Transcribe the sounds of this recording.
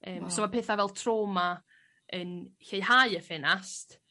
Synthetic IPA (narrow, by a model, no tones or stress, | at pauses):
əːmsɔmapʰeːθavɛlˠtʰroːma | ənçejhaɨəfɪnast